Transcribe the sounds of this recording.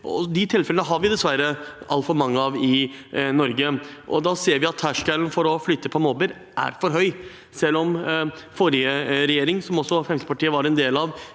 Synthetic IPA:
ɔ̰d̪ɪt̪ʰɪlfɛlənəɦɑɾʋɪd̪ɛsʋæɾəɑ̰lfɔɾmɑŋːəɑʋɪnɔɾɡəʔɔ̰d̪ɑːseːɾʋɪɑt̪ʰːæʂkælnfɔɾɔflyːt̪ːəpʰɔmoːbəɾ | ʔæ̰ɾfɔɾɦœʏ | sɛlːɔmfoːɾɪəɾɛjeːɾɪŋsɔmɔsːɔfɾɛmsəpɑʈiːəʋɑɾɛnd̪eːlɑʋ

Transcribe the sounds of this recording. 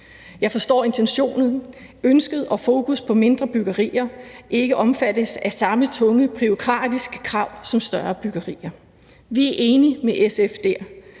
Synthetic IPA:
jɑ̈ɪfɒ̽sd̥ɒ̰ːe̝nt͡sʰenɕo̝̰ːnð̩ˠ | ønsɡ̥əð̩ˠɒ̽fo̝ːkʰuspʰɒ̽me̝nd̥ʁɐb̥yɡ̥ɐʁḭːɐʔe̝ɡ̥əʔɒ̽mfæd̥əsæsɑ̈mət͡sʰɔ̽ŋəpʰʁyokʰʁɑ̰̈ːd̥isɡ̥ə̥kʰʁɑ̈ʊ̰sɒ̽msd̥ɶɐb̥yɡ̥ɐʁḭːɐ | ʋiæɐʔe̝ːnimeʔesefd̥eɐ̰

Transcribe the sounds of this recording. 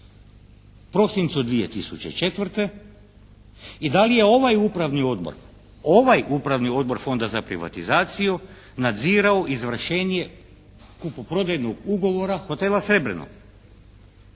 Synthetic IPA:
pɾo̞sint̪sud̪ʋije̞t̪isut͡ɕḛt͡ʃe̞t̪ʋr̩t̪e̞ | id̪alije̞o̞ʋajupɾaʋnio̞d̪bo̰ɾ | o̞ʋajupɾaʋnio̞d̪̚bo̞ɾfo̞nd̪azapɾḭʋa̰t̪izaːt̪siju | nad̪ziːɾaoʔizʋr̩ʃeːnje̞ | kupopɾo̞d̪ajnoɡuɡo̞ʋo̞ɾaxo̞t̪elasɾe̞bɾḛno̰

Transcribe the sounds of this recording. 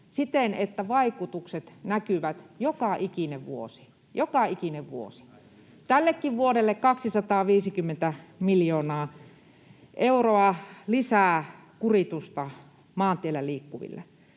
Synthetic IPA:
sit̪enet̪ːæʋɑikut̪ukset̪nækyʋæt̪jokɑʔikineʋʋuo̰si̥ | jokɑikineʋʋuo̰si̥ | t̪ælːekːiʋʋuoɾelːekkɑksisɑt̪ɑːʋiːsikymːent̪æmiljoːnɑː | ʔeuroɑlisæː | kurit̪ust̪ɑ | mɑːnt̪ielːæliːkːuʋḭlːḛ

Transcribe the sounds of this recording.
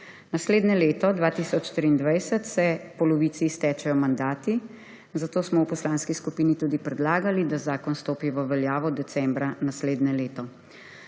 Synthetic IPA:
nasleːd̪nɛleːt̪ɔd̪ʋaːt̪isɔt͡ʃːt̪ɾiːnd̪ʋajsət̪sɛpɔlɔʋiːt̪sist̪ɛːt͡ʃɛjɔmand̪aːt̪i | zat̪oːsmɔwpɔslaːnskiskupiːnit̪uːd̪ipɾɛd̪laːɡalid̪azaːkɔnst̪oːpiʋəʋɛljaːʋɔd̪ɛtsɛmbɾanasleːd̪nɛleːt̪ɔ

